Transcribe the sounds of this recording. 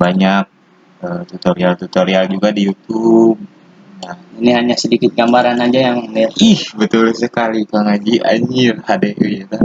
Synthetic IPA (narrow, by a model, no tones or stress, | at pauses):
baɲak̚ | ət̪ut̪oɾialt̪ut̪oɾiald͡ʒuɡadijut̪ub̚ | nahiniɦaɲasədikɪt̪̚ɡambaɾanad͡ʒajaŋliatihbət̪ʊlsəkalik̪aŋaɡiʔa̰ɲilhadeʔujit̪a